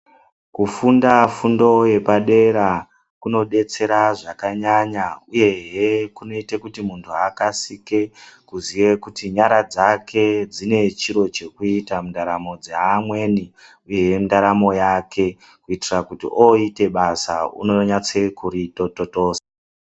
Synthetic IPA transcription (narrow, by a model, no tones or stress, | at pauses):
kufundafundo̞je̞paɗe̞ɾa | kuno̞ɗe̞t͡se̞ɾaʐakaɲaɲauje̞ɦekuno̞itekutimuntʰuakasike̞kuziwekutiɲaɾad͡zakʰe̞d͡zine̞t͡ʃiɾo̞t͡ʃe̞kuitamundaɾamo̞d͡zeɦamwe̞ni | uje̞jemundaɾamo̞jakʰe̞ | kuitirakutḭʔoite̞ɓasa̰ṵno̞ɲat͡se̞kuɾitototo̞ːsa